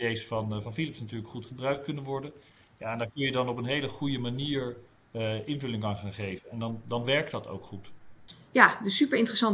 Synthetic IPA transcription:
dejsfɑnvɑnfilɪpsnatyːɹləkχutχəbrœɥk̚t̚kɵnənʋɔɹdən | jaɛndaːɹkɵnjədɑnɔpənɦejləχujəmaniːɹ | ʔɪnvɵlɪŋaːnχaːnχejvənɛndɑndɑnʋɛɹk̚tdɑto̰wkχutjadəsypəɹɪ̃ntrəsɑn

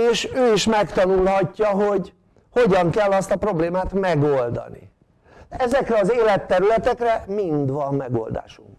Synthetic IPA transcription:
eːʃøːiʃmɛkt̪ɒnulɦɒcːɒɦo̞ɟ | ho̞ɟɒŋkɛlːɒst̪ɒpro̞bleːmaːt̪mɛɡold̪ɒ̰nḭ | ɛzɛkrɛɒzeːlɛt̪ːɛɾylɛt̪ɛkrɛmind̪ʋɒmːɛɡo̞̰ld̪a̰ːʃuŋk

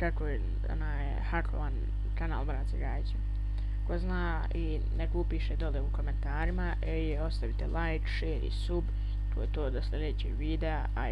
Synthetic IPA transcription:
kakoje | o̰naːjḛhaklo̰ʋan | kana̰ːlˠbɾansiɡaːjisom | koznaː | i | nekupiʃed̪o̞leukoment̪aːɾimaʔeijeo̞st̪aʋit̪elajkʃeːɾḭsub | t̪oːjet̪oːd̪aslʲed̪eːt͡ɕḭʋiːd̪ea | a

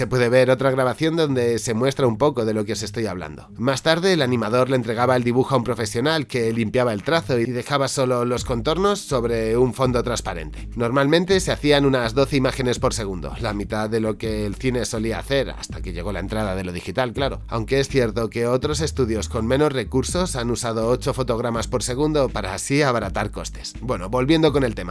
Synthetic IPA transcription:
se̞pwe̞ðe̞β̞e̞ɾo̞t̪ɾaɣɾaβaθjo̞nd̪o̞nd̪e̞se̞mwe̞st̪ɾaumpo̞ko̞ðe̞lo̞keo̞se̞st̪o̞jaβla̰nd̪o̞̰mast̪aɾðe̞ːlanĩmað̞o̞ɾlent̪ɾe̞ɣ̞aβae̞ld̪iβuxoaumpɾo̞fe̞sjo̞nalke̞limpjaβae̞lt̪ɾaθo̞iiðe̞xaβaso̞lo̞lo̞sko̞nt̪o̞ɾno̞sːo̞βɾe̞uɱfo̞nd̪o̞t̪ɾaspaɾe̞̰nt̪e̞no̞ɾmalmẽ̞nt̪e̞se̞aθianunazðo̞θeimaxe̞ne̞spo̞ɾse̞ɣ̞und̪o̞̰lamit̪aðe̞lo̞ke̞ːlθine̞so̞liaːθe̞ɾa̰st̪ake̞ʝe̞ɣ̞o̞la̰e̞nt̪ɾaðaðe̞lo̞ð̞ixit̪alklaɾo̞̰awŋke̞esθje̞ɾt̪o̞ke̞o̞t̪ɾo̞se̞st̪uðjo̞sko̞nmẽ̞no̞sre̞kuɾso̞sanusað̞o̞ot͡ʃo̞fo̞t̪o̞ɣ̞ɾamaspo̞ɾse̞ɣ̞und̪o̞paɾaːsiaβaɾat̪aɾko̞̰st̪e̞̥sbwe̞no̞βo̞lβje̞nd̪o̞ko̞ne̞lt̪e̞ma

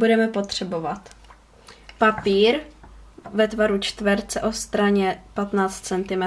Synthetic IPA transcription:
budɛmɛpo̞t̪r̥ɛbo̞vat̪ | papiːɾ | vɛt̪vaɾut͡ʃt̪vɛɾt͡sɛʔo̞st̪ɾaɲɛpat̪naːt͡st̪̚t͡sɛnt̪ɪmɛ

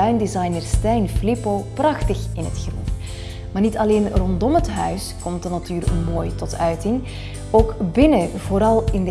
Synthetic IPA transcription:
œɥndizɑjnərstɛjnflɪpoːprɑxtəxɪnɦətxrṵn | maːrnitɑleːnrɔndɔmɦətɦœɥskɔmtdənatyːrmoːjtɔtʰœɥtɪŋ | oːkbɪnəvoːɾɑlˠɪndə

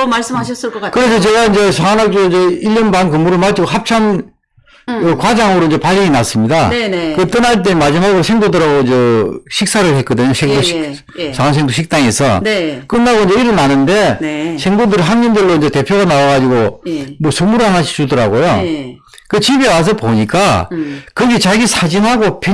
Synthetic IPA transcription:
mas͈ɯmhaɕʰʌs͈ɯɭk͈ʌakɯɾe̞s̬ʰʌt͡ɕe̞ɡaind͡ʑe̞sʰaŋanak̚t͡ɕ͈oid͡ʑeiʎːʌnbankɯmuɾɯɭmat͡ɕ͈iɡoɦap̚t͡ɕʰam | ɯkwad͡ʑaŋɯɾoind͡ʑe̞pad͡ʑiɲinas͈ɯmɲidakɯt͈ʌnaɭt̬͈e̞mad͡ʑimaɡɯɾosʰeŋdodɯɾaɡoind͡ʑeɕʰik̚s͈aɾɯɭhet̚k͈ʌdɯɲosʰeŋdoi | sʰans̬ʰeŋdoɕʰik̚t͈aŋe̞sʰʌk͈ɯnːaɡoind͡ʑeiɾɯɭnanɯnde̞sʰeŋdodɯɾiɦanɲindɯɭːoind͡ʑe̞te̞pʰjoɣanawaɡad͡ʑiɡomʌsʰɯmuɾɯanaɕʰi̥t͡ɕudʌɾa̰ɡojo | kɯt͡ɕibe̞was̬ʰʌpoɲik͈akɯɡet͡ɕaɡisʰad͡ʑinɦaɡopʰj

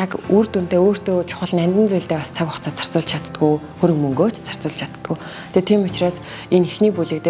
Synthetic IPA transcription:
tʰakurt̪un̥t̪eːoːr̥t̪oːt͡ɕʰʊ̥χə̆ɮnæmʲt̪ɘ̆nt͡sujɮt̪eːpast͡sʰakɔχt͡sʰaːt͡sʰḁr̥t͡sʊːɮt͡ɕʰat̪t̪ɡuj | xɵɾɵ̆ŋmɵŋɡoːt͡ɕʰt͡sar̥t͡sʊːɮt͡ɕʰat̪t̪ɡuj | t̪ʰet̪ʰiːmʊt͡ɕraːs | enixniːpuɮɘ̆k̚t̪e

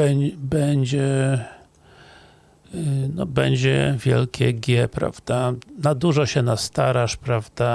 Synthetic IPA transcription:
ɛbɛɲd͡ʑɛ | nɔbɛɲd͡ʑɛ̰vʲjɛ̰lkʲɛ̰ɡʲjɛpɾa̰v̥d̪̥anad̪uʐɔɕɛnast̪aɾaʂpɾavd̪a

